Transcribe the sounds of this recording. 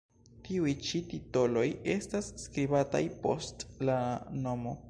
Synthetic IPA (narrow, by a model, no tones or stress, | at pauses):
tiujt͡ʃitito̞lo̞je̞stasːkɾibata̰jpo̞̰stlano̞mo̞